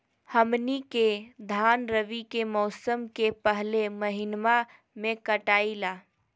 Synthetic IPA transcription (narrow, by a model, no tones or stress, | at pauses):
həmniked̪ʱanɾəʋikemɔːsəmkepəɦleməɦinma | mẽkəʈaila